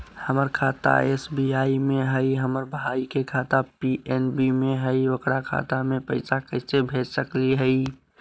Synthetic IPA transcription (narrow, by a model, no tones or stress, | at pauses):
həməɾkʰaːt̪a̰esbiaːimẽɦəɪɦəməɾbʱaikekʰat̪apiʔenbimẽɦəɪokɽakʰa̰ːt̪amẽpəɪsakəɪsebʱed͡ʒsəkliɦəɪ